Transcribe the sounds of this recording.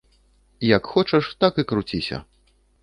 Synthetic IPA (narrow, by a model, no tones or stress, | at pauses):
jɐkxɔt͡ʂɐʂt̪akɨkɾut͡sʲisʲɐ̰